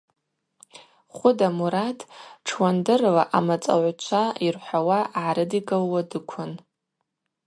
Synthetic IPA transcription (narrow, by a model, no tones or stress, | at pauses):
χʷʊdamuɾatʰʼʈ͡ʂʰwandɨrlaʔamat͡sʼa̰ʕʷt͡ʃʷʰairħʷawaʕaɾɨdiɡʼalwadɨkʷʰʊn